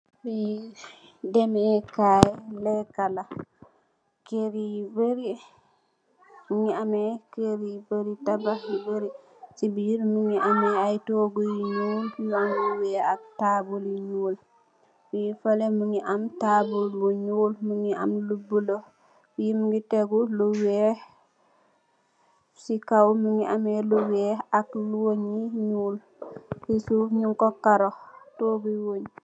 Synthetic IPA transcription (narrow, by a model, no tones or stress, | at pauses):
bi | dɛmɛkajɛlɛkala | keɾibəɾi | muŋiamɛkeɾibəɾitabaibəɾi | sibiɾmuŋiamɛajtɔɡojiɲuːlkujaŋɡuwɛatabuliɲul | wijifɐlɛmuŋiʔamtaːbulbuɲuːlmuŋiʔa̰mlubulo | jimuŋɡitɛɡuluwɛː | sikawmuŋiʔamɛluwɛːak̚lwoɲiɲuːl | isufɲuŋkɔkaɾɔtoːɡujwoɲ